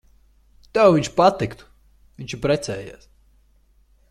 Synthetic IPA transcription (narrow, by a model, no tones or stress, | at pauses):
t̪ɛwviɲʲt͡ʃpat̪ikt̪u̥ | viɲʲt͡ʃipɾɛt̪sɛːja̰s